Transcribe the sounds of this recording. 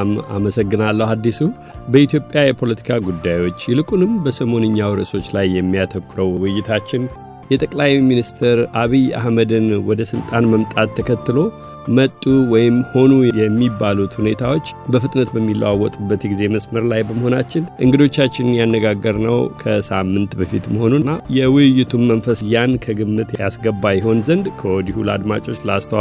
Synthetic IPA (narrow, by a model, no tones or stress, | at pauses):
ma̰məsəɡːɨnalːəhad̪ːisu | bəit̪ʰjo̞pʼjajɛpʰo̞lət̪ʰi̥kʰaɡud̪ːajwo̞t͡ʃːjɪlɨkʼunɨmbəsəmo̞nɨɲːawɾɨso̞t͡ʃːlajːɛmːijat̪ʰəkːɾəwwɨjːɪt̪ʰat͡ʃːɪn | jɛt̪ʼəkʼlajminist̪ʰɨɾʔaβija̰hməd̪ɨnwɔd̪əsɨlt̪ʼanməmt̪ʼat̪ʰːəkʰət̪ːɨlo̞ | mət̪ʼːuwɔjɪmho̞nujjɛmːibːalut̪hune̞t̪ʰawo̞t͡ʃːbəfɨt̪ʼnət̪bəmːilʔə̰wawːɔt̪ʼubːət̪jɛɡize̞məsməɾlajbəməɦo̞nat͡ʃːɪnʔɨŋɡɨd̪o̞t͡ʃːat͡ʃːɪnɨnjanːəɡaɡːəɾnəwkʰəsamːɨnt̪bəfit̪məho̞nunːajɛwɨjɪt̪ʰumːənfəsjankʰəɡɨmːɨt̪jasɡəbːajɪɦo̞nzənd̪kʰəwɔd̪ihuləa̰d̪ma̰t͡ʃʼo̞t͡ʃːləast̪ʰəw